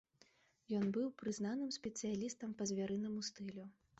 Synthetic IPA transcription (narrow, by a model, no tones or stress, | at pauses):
jɔnbɨwpɾɨznanɨmsʲpʲɛt̪sɨjalʲist̪ɐmpɐzʲvʲaɾɨnɐmust̪ɨlʲu